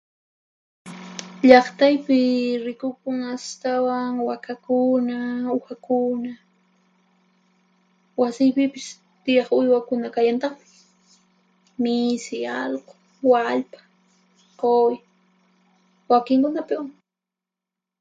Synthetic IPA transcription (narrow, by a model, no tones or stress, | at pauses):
ʎɑχt̪ajpɪɾɪkʊkʊŋast̪awaŋwakakʊnaʊxakʊna | wasɪjpɪpɪs | t̪ɪjɑχʊjwakʊnakajant̪ɑχmɪ̥ | mɪsɪɑlqo̥ | waʎpḁ | qoj | wakɪŋkʊnapɪwaŋ